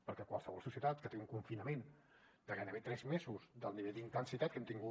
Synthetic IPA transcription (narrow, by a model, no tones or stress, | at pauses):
pəɾkɛkwa̰lˠsəβɔlˠsusiət̪at̪kət̪euŋkuɱfinəmen | d̪̥əɣanəβet̪ɾɛzmezuzd̪əlˠniβɛʎd̪int̪ənsit̪at̪kɛmt̪iŋɡu